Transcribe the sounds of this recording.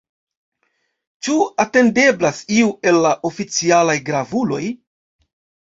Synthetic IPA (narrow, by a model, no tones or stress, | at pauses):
t͡ʃuate̞nde̞blasiue̞lːaʔo̞fit͡sialajɡɾavulo̞j